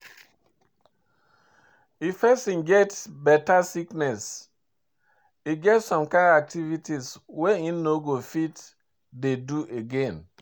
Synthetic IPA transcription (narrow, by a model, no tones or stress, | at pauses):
ifɛstĩnɡɛtbɛtasiknɛs | iɡɛtsɔ̃mkãndak̚tivitisweĩnːoɡofit | deduʔeɡẽn